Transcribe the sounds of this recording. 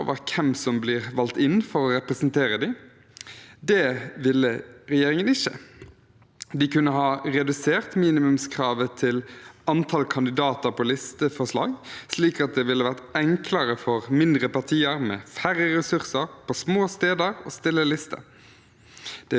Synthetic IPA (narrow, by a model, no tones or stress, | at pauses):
o̰ʋɑkʰɛmsɔmblɪːʁʋɑlt̪ɪnfɔɾɔɾɛpɾəsnt̪ʰeːɾəd̪ɪ | d̪ɛʋɪlːəɾɛjeːɾɪŋənɪçːə̰ | d̪ɪkʉnːəɦɑːʁɛd̪ʉseːɾt̪miːnɪmʉmskʰʁɑːʋət̪ʰɪlɑnt̪ʰɑlkʰɑnd̪ɪd̪ɑːt̪əɾpʰɔlɪst̪əfɔʁʂlɑ̰ːɡsliːkɑt̪̚d̪ɛʋɪlːəʋæʁt̪ɛŋkʰləɾəfɔʁmɪnd̪ɾəpɑʁt̪ʰiːəɾmɛ̰fæɾːəɾɛsʉɾsəɾpʰɔsmoːst̪eːd̪əɾo̰ːst̪ɪlːəlɪst̪ə̰ | d̪̥ɛ